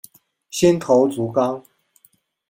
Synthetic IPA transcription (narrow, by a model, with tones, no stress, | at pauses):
ɕɛ˦nt̪ʰo˨˦ʊt͡su˨˦kɑ˥˦ŋ